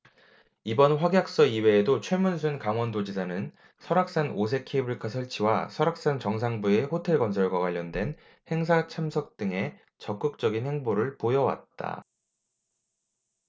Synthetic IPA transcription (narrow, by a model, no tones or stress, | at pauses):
ibʌnɸwaɡjak̚s͈ʌiwe̞ːdot͡ɕʰwemuns̬ʰunkaŋwʌndod͡ʑid͡ʑanɯn | sʰʌɾak̚s͈anos̬ʰe̞kʰebuɾikʰasʰʌɭt͡ɕʰiwasʰʌɾak̚s͈ant͡ɕʌŋs̬ʰaŋbue̞ɸotʰe̞ɭɡʌns̬ʰʌɭɡwakwaʎːʌndwe̞n | he̞ŋsʰat͡ɕʰamsʰʌk̚t͈ɯŋe̞ | t͡ɕʌk͈ɯk̚t͡ɕ͈ʌɡinhe̞ŋboɾɯɭpojʌwa̰t̚t͈a̰